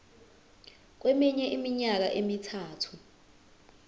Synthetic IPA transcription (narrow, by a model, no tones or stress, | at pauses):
k̬wɛmiɲɛʔimiɲak̬aʔemitʰaːtʰu